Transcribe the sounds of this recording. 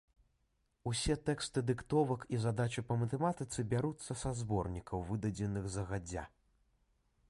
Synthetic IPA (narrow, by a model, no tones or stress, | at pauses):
usʲɛt̪ɛkst̪ɨd̪ɨkt̪ɔvɐkizad̪at͡ʃɨpɐmɐt̪ɛmat̪ɨt̪sɨbʲaɾut̪sːɐsazbɔrnʲikɐwvɨd̪ɐd͡zʲɛnɨɣzɐɣad͡zʲːa̰